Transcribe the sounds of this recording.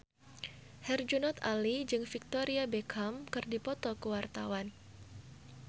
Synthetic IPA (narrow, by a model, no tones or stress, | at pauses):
hɛrd͡ʒunɔt̪a̰lid͡ʒɨŋfik̚t̪oɾiabekʰamkɨrdipɔt̪ɔkəwart̪a̰wan